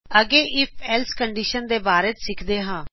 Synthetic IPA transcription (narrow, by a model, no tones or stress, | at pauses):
əɡeːʔɪpʰɛːlskəɳɖiːʃənd̪eːbaːɾeːt̪sɪkʰd̪eːɦãː